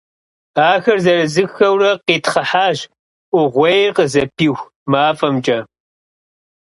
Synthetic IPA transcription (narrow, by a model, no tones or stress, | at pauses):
aːxɐrzɐrɨzɨxxɐwrɐqiːtχɐħaːʑ | ʔʷʊʁʷejqəzɐpʰiːxʷ | maːfɐmt͡ʃʼɐ